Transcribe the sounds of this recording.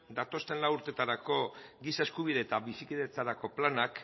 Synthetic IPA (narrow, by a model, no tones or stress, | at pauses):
d̪at̪o̞st̪e̞nlawuɾt̪e̞t̪aɾako̞ɡisae̞skuβ̞iðe̞ːt̪aβisikiðe̞t͡saɾako̞planak